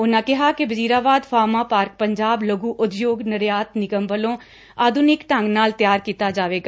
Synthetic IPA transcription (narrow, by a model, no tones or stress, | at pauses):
ʊnakɛɦakebɐziːɾaːbaːd̪fʰaːmapaːɾk̚pɐ̃ɲd͡ʒaːblɐɡuʔʊd̪joːɡnɐɾjaːt̪nɪkəmbəlõ | aːd̪ʱʊnɪkʈãŋɡnaːlt̪jaːɾkiːt̪ad͡ʒaːʋeːɡa